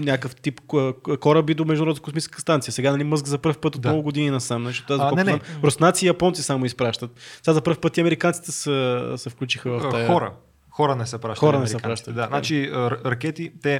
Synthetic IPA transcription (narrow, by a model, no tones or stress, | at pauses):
nʲakəft̪ipəkɔɾəbid̪omɛʒd̪ʊɾɔd̪əkosmit͡ʃɛ̥skəst̪ant̪sijəsɛɡanɐlʲimɤzɡzɐpəɾfpət̪ot̪mɔlˠʊɡʊd̪ininɐsamnat͡ʃit̪azkɛamɾosnat̪siːjɐpɔnt̪sisamʊispɾaʃt̪ət̪sɛɡazɐpəɾfpət̪ːiɐmɛɾikant̪si̥t̪ɛsəsɛfklʲut͡ʃixəvɐft̪ajɔɾə̰ | xɔɾənɛsɛpɾaʃxɔɾɐnɛsɾiɛkpɾaʃt̪ət̪d̪anat͡ʃiəɾɐɾɐkʲɛt̪it̪ɛ